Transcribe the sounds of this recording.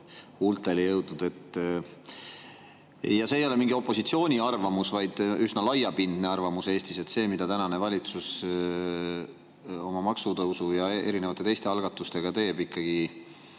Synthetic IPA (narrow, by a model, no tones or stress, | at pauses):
ult̪ːˑelijɤwd̪nud̪̥e̞t̪ːˑ | jːɑse̞ːjo̞lemiŋɡ̥io̞pːˑo̞sit̪sio̞ːnʲiɑrvɑmusvɑjd̪̥ysnɑlɑjɑpind̪̥ne̞ɑrvɑmuse̞ːst̪ise̞t̪se̞ːmid̪̥ɑt̪ænɑne̞vɑlʲit̪sus | o̞mɑmɑksut̪ɤwsujɑe̞̰ɾinevɑt̪ːˑe̞t̪e̞jst̪e̞ɑlɡ̥ɑt̪ːˑust̪e̞ɡ̥ɑt̪e̞jːbikːɑɡ̥i